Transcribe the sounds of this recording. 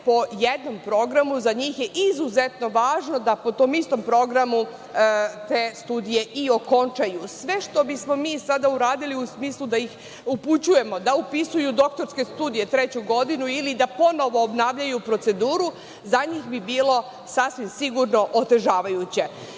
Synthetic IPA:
po̞jed̪no̞mpɾo̞ɡɾamuzaɲiːxjeʔizuzet̪no̞ʋaːʒno̞d̪apo̞t̪o̞ːmist̪o̞mpɾo̞ɡɾamu | t̪eːst̪uːd̪ije̞ʔioko̞nt͡ʃajusʋe̞ʃt̪o̞bismo̞miːsad̪auɾaːd̪iliusmiːslˠud̪ajix | uput͡ɕuje̞mo̞d̪aupisujud̪o̞k̚t̪o̞ɾske̞st̪uːd̪ije̞t̪ɾet͡ɕuɡo̞d̪inuilid̪apo̞no̞ʋo̞ːbnaːʋʎajupɾo̞t̪se̞d̪uːɾu | zaɲiːxbibiːlˠo̞ | sasʋimsiɡuɾno̞ʔot̪e̞ʒaːʋajut͡ɕe̞

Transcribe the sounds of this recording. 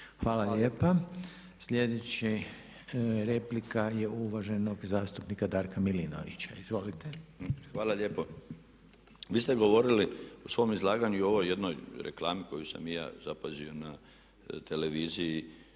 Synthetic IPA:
xʋaːlalʎeːpa | sʎʲe̞d̪et͡ɕi | ɾe̞plikajeuʋaʒe̞noɡzaːst̪upnikad̪aːɾkamilino̰ʋḭt͡ɕaizʋo̞lit̪exʋaːlaʎeːpo | ʋiːst̪eɡo̞ʋo̞ɾiliosʋo̞mizlˠaːɡaɲuo̞ʋojːe̞d̪nojɾḛklaːmiko̞jusa̰mja̰ːzapazio̞na | t̪eleʋiːziji

